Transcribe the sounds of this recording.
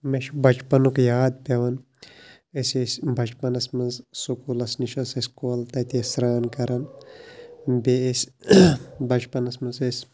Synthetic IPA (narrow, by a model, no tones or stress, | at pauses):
meʃʰbʱɐt͡ʃpɐnukjaːd̪̚pʲɐʋɐn | ɐsesʲbʱɐt͡ʃpɐnɐsmɐnzsukulɐsniʃɐsɐsʲkoːlt̪ɐt̪esɾaːnkɐɾɐn | beesʲ | bʱɐt͡ʃpɐnɐsmɐnzesʲ